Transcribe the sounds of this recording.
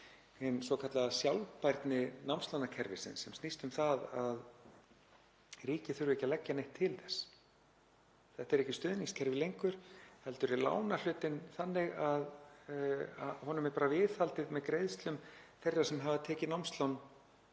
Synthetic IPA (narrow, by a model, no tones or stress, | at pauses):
ɛnsɔkʰat̪laðsjawlpajɾt̪nɪnawmst̪lawnacʰɛɾvɪsɪ̰nsɛmst̪ist̪ʏmθaðað | riːcɪθʏɾʏɛhcːalɛcːanejht̪ʰːɪlθɛsː | θɛht̪ɛɾɛhcɪst̪ʏːðniŋscʰɛɾvɪlejŋkʏɾ̥hɛlt̪ʏɾɪla̰ːwnal̥ʏːt̪ɪnθanːɪɣað | aɦɔːnʏmɛɾpaːɾavɪːðhalt̪ɪðmɛðkɾejðst̪lʏmθejrːasɛmɦavat̪ʰɛːcɪnawmst̪lawn